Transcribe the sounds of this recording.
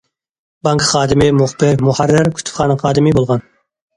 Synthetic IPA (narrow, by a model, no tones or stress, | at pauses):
bɑŋkχɑːd̪ɪmɪmoχbɪɾmuhæɾːɪɾkʲʰy̥t̪ʰʊ̥fχɑːnɨqʰɑːd̪ɨmɪbolˠʁɑn